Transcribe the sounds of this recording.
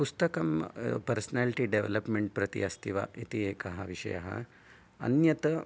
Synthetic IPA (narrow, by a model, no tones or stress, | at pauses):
pust̪ɐkɐmpɐɾsɐnaːliʈiɖeʋḛlɐpmeɳʈ̚pɾɐt̪ḭɐst̪ʰiʋa̰ʔit̪ieːkɐɦɐʋiʂɐ̰jɐ̰ɦɐ̰ | ɐ̰njɐt̪ɐ